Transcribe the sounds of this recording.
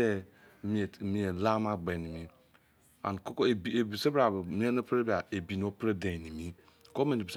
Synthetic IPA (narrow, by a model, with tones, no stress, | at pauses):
e˦ | mi˨˦˨mi˨˦e˨la˦ma˦ɡ͡be˨ni˨mi˦ | a̰˨n˨ko˦ko˦e˨bbi˨se˦bɾa˨mi˦e˦no˦pɾe˦ba˨e˨bi˨no˦pɾe˦de˨ni˨mi˦ | ko˦me˨bi˨s